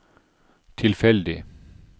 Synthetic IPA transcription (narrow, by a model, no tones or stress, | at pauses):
t̪ʰɪlfɛld̪ɪ